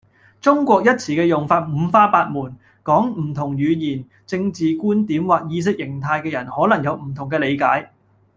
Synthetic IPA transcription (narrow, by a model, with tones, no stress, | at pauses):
t͡sʊ˥ŋkʷɔː˧k̚jɐ˥t̚t͡sʰiː˨˩kɛː˧jʊ˨˩ŋfaː˧t̚m̩˨˧faː˥paː˧t̚muː˨˩n | kɔː˨˥ŋm̩˨˩t̪ʰʊ˨˩ŋjyː˨˧jiː˨˩n | t͡sɪ˧ŋt͡siː˨kuː˥nt̪iː˨˥mwaː˨k̚jiː˧s̬ɪ˥k̚jɪ˨˩ŋt̪ʰaː˧jkɛː˧jɐ˨˩nhɔː˨˥lɐ˨˩ŋjɐ˨˧wm̩˨˩t̪ʰʊ˨˩ŋkɛː˧le˨˧jkaː˨˥j